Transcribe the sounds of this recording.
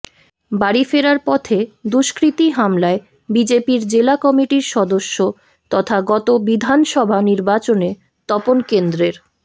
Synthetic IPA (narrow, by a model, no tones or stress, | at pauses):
baɽifeɾaɾpɔt̪ʰed̪uʃkɾit̪iɦamlae | bid͡ʑepiɾd͡ʑelakɔmiʈiɾʃɔd̪oʃːo | t̪ɔt̪ʰaɡɔt̪obid̪ʱanʃɔbʱaniɾbat͡ɕone | t̪ɔponkend̪ɾeɾ